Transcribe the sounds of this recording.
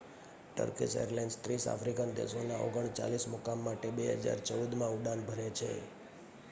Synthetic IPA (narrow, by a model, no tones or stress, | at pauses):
ʈə̰ɾkisḛəɾleɳɖst̪ɾisa̰fɾikənd̪ḛsonaʔoɡəɳt͡ʃa̰lismʊkamːaʈebeɦə̰d͡ʒa̰ɾt͡ʃəud̪mãuɖãnbʱəɾet͡ʃʰḛ